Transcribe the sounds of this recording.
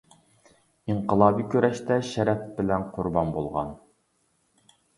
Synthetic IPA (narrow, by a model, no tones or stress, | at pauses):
iɴqəlˠɑːbikʲʰøɾɛʃt̪ɛʃɛɾɛpbɪlɛnqʰʊɾbɑnbolˠʁɑ̰n